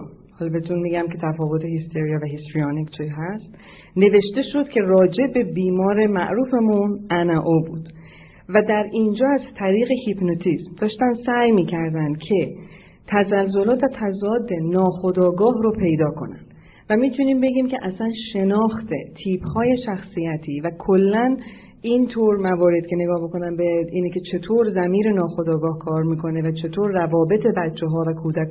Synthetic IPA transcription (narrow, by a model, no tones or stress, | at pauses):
hɒːlɒbet̪ʰunmiɡæmcʰe̞t̪ʰæfɒːvot̪ʰehist̪ʰe̞ɾijɒvæɦist̪ɾiɒnikt͡ʃʰiɦæst̪ | ne̞ve̞ʃt̪e̞ʃo̞d̪̥cʲʰe̞rɒːd͡ʒe̞be̞biːmɒːɾe̞mæ̰ʔɾuːfe̞munʔænæʔobṵːd̪̥ | væd̪æɾind͡ʒɒːæzt̪ʰæɾiːɣe̞hipnot̪ʰismd̪ɒːʃt̪ænd̪sæjmiːcʰæɾd̪ænd̪̥̚kʰe̞ | t̪ʰæzælzolɒːt̪væt̪ʰæzɒːd̪ːe̞nɒːxo̞d̪ɒːɡɒːɦɾo̞pʰe̞jd̪ɒːkʰo̞̰næ̰nd̪̥ | væmiːt̪ʰuniːmbe̞ɡiːmce̞ʔæsænʃe̞nɒːxt̪ʰe̞̰t̪ʰiːphɒːje̞ʃæxsijæt̪ʰiːvækʰolːæn | int̪ʰoːɾmævɒːɾe̞d̪̥̚cʰe̞ne̞ɡɒːhboko̞nænbeiːnecʰe̞t͡ʃʰe̞t̪ʰoːɾzæmiːɾe̞nɒːxo̞d̪ɒːɡɒːhkʰɒːɾmiːkʰo̞ne̞væt͡ʃʰe̞t̪ʰoːɾːævɒːbe̞t̪ʰe̞bætt͡ʃʰːeɦɒːvækʰuːd̪æk